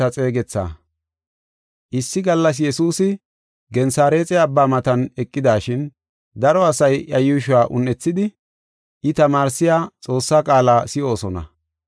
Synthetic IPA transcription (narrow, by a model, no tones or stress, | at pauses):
ɐt͡sʼe̞ːɡɛt͡sːa̰ː | ʔɪsːɪɡɐlːɐs̬jɛsuːsɪ | ɡɛnsaːɾe̞ːt͡sʼɛɐbːaːmɐt̪ɐnɛkʼːɪd̪aːʃɪn | d̪ɐɾɔɐsɐjɐjʊʃʊwaːʔʊnːɛt͡sːɪd̪ɪ | ʔɪt̪ɐmaːɾsːɪjaːt͡sʼo̞ːsːaːkʼaːlaːsɪo̞ːsɔnɐ̰